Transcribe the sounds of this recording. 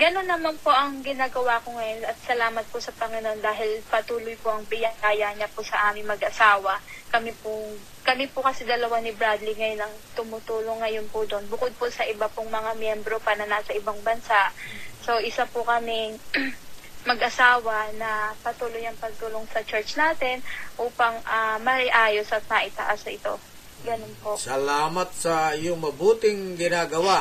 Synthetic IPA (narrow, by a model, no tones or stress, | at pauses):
ɡɐno̞nːɐmanpoʔɐŋɡɪnaːɡɐwakoŋɐjonʔɐt̪̚sɐlaːmɐt̪̚posɐpɐŋɪno̞nd̪aːɦɪlpɐt̪uːlojpoʔɐŋbɪjɐŋɡaːjaɲapʊsɐʔaːmɪŋmɐɡʔɐsaːwɐkɐmipʊ | kɐmipʊkɐsɪd̪ɐlɐwanɪbɾad̪lɪŋɐjonɐŋt̪ʊmʊt̪uːloŋːɐjonpʊd̪onbʊkod̪̚pʊsɐʔɪbapoŋmɐŋamjɛmbɾo̞paɐnɐnasɐʔɪbaŋbɐnsaʔso̞ʔɪsapʊkɐmɪŋ | mɐɡʔɐsaːwɐnɐpɐt̪uːlojɐŋpɐɡ̚t̪ʊloŋsɐt͡ʃɛɹt͡ʃnaːt̪ɛnʔuːpɐŋʔamɐʔɪʔaːjo̞sɐt̪̚nɐʔɪt̪ɐʔasɐʔɪt̪o̞̰ | ɡɐnonpo̞ʔsɐlaːmɐt̪̚sɐjʊŋmɐbuːt̪ɪŋɡɪnaːɡɐwa